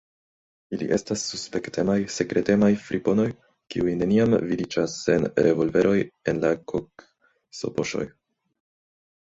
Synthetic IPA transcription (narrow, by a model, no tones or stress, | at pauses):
ilḭʔe̞stasːuspe̞ktʰemajse̞kɾe̞te̞majfɾʔipo̞no̞j | kḭujne̞niamvidid͡ʒasːe̞nɾe̞vo̞lve̞ɾo̞je̞nlakʰok | so̞̰po̞ʃo̞̰j